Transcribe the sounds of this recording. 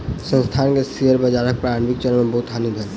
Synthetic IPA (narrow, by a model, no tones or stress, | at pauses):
sə̃ŋst̪ʰankesiəɾbəd͡ʒaɾek̚pɾanbik̚d͡ʑənmebɔɦut̪ɦanid̪ʱɔn